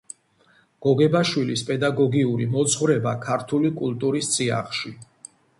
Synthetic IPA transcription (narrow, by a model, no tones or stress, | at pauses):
ɡ̥ɔɡɛbaʃwilispʼɛd̪aɡɔɡiuɾimɔt̪sʰʼχvɾɛbakʰaɾt̪ʰulikʼult̪ʼuɾist̪sʼia̰χʃi